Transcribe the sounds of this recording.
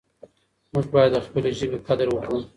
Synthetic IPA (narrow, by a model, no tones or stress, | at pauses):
mʊʒbɑjad̪ːəxpəleʒəbekad̪əɾwəkɽum